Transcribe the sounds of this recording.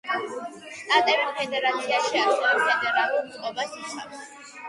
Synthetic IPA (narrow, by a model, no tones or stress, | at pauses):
st̪ʼat̪ʼɛvimpʰɛd̪ɛɾat̪sʰiaʃiakɔɛpʰɛd̪ɛɾalˠuɾsʼqʼɔbasisʰa̰fs